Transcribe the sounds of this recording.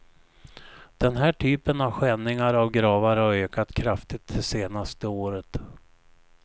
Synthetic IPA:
d̪̥ɛnɦæːʈʰyːpənavɧɛnːɪŋaɾavɡɾɑːvaɾhaɾøːkat̪kʰɾaft̪ɪt̪̚dɛseːnast̪əoːɾət̪

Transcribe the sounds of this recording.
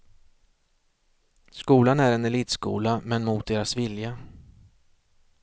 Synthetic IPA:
skuːlanæɾɛnɛliːt̪skṵːlamɛnmuːt̪̚d̪eːɾasvɪlja

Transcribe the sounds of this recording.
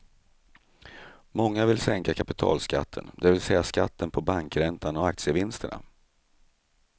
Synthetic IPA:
mɔŋːavɪlsɛŋkakʰapɪt̪ʰɑ̰ːlska̰t̪ʰːə̰nd̪ɛvɪlsɛjaskat̪ʰːənpʰɔbaŋkɾɛnt̪ʰanɔak̚t̪sɪəvɪnst̪əɳa̰

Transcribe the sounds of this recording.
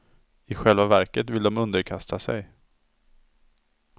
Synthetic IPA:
ɪɧɛlvavæɾkət̪vɪld̪ɔmɵnd̪əɾkʰast̪ʰasɛ̰j

